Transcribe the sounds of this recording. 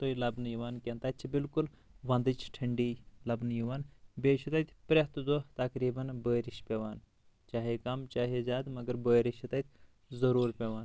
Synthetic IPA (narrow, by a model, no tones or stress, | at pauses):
t̪oːilɐbnɨjuʋaːnkent̪ɐːt͡ʃʰibilkul | ʋɐ̃nd̪ɨt͡ʃʰʈʰɐɳɖiːlɐbnɨjuʋaːnbeːt͡ʃʰit̪ɐt̪ʲʰpɾeɦt̪d̪ot̪ɐkɾiːbɐnbəːɾiʃpʲeʋaːn | t͡ʃaːɦekɐmt͡ʃaːɦezjaːd̪mɐɡɐɾbəːɾiʃit̪ɐt̪ʲʰ | zɐɾuːɾpʲeʋaːn